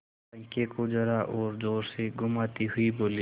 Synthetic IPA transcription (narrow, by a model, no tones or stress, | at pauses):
ə̃ŋkekod͡ʒɐɾaʔɔːɾdoːɾseɡʱʊmaːt̪iɦʊiboːli